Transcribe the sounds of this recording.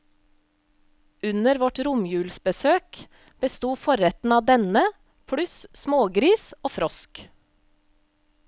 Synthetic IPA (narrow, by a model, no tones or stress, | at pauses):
ʉnəɾʋɔʈɾʊmjʉːlsbəsøːk | b̥əst̪uːfɔɾɛt̪n̩ɑːd̪ɛnə | pʰɽʉssmoːɡɾiːsoːfɾɔsk